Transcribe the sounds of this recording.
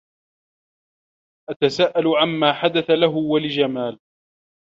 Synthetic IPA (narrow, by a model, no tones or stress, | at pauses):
ʔat̪asaːʔalʊʕamːaːħad̪aθalaɦʊwalɪd͡ʒamaːl